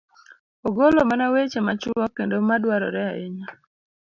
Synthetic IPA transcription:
oɡolomanawet͡ʃemat͡ʃɔkendomadwaɾɔ̰ɾɛaʔḛɲa

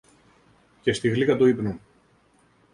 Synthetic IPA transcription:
ce̞st̪iɣlikɐt̪oipnu

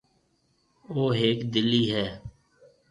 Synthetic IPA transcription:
oːɦeːkd̪ɪliːɦɛː

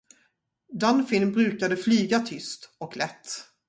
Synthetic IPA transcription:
d̪anfɪnbɾʉ̟ːkad̪əflyːɡat̪ʰʏst̪ɔklɛt̪ː

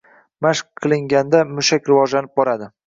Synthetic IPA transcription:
maʃq̚qʰːɨlˠɪŋɡʲand̪amʊʃakʲɾɪvɒd͡ʒlanɪp̚bɒɾad̪ɪ

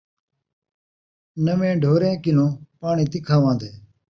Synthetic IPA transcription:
nəmẽːɖʱoːɾẽːkɪnõːpaːɳiːt̪ɪkʰaːʋãːd̪eː

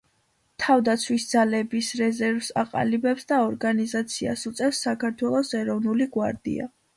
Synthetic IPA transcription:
t̪ʰavd̪at̪sʰwisd̪zalɛbisɾɛzɛɾvsa̰qʼa̰libɛpsd̪aɔɾɡanizat̪sʰia̰sut̪sʼɛfsːakʰaɾt̪ʰwɛlˠɔsɛɾɔvnuliɡwaɾd̪ḭa̰

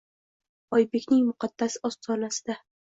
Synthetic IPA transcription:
ɒjbe̞kʲnɪŋmʊqʰɑd̪̥ːasɒst̪ʰɒnasɪd̪a

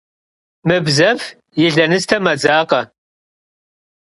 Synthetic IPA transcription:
mɨbzɐf | jɪɮɐnɨstʰɐmɐd͡zaːqɐ

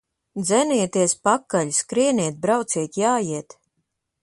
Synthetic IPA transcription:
d̪zɛniɛt̪iɛspakːaʎʲskɾiɛniɛt̪̚bɾawt̪siɛt̪ʲjaːjiɛt̪

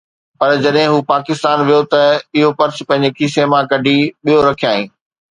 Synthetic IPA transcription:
pɐɾd͡ʑɐɗɦɪ̃ɦuːpaːkɪst̪aːnʋijot̪ɐɪɦopɐɾs̆pɐ̃ɦɪ̃ɲ̆d͡ʑekiːsemãkɐɖʱiɓijoɾɐkʰijaːɦĩː

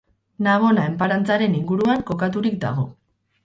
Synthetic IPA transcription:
naβ̞o̞nae̞mpaɾant͡saɾe̞niŋɡuɾuaŋko̞kat̪uɾik̚d̪a̰ɣ̞o̞

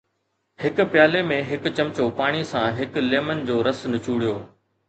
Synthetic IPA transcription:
hɪkʊ̆pjaːlemẽɦɪkʊ̆t͡ɕɐmt͡ɕopaːɽ̃isãɦɪkleːmənd͡ʑoːɾɐsnɪt͡ɕuːɽijoː

